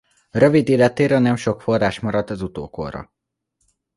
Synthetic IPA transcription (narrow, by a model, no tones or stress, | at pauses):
røvid̪eːlɛt̪eːɾɛnɛmʃo̞kfo̞rːaːʃmɒɾɒt̪ɒzut̪o̰ːko̰rɒ̰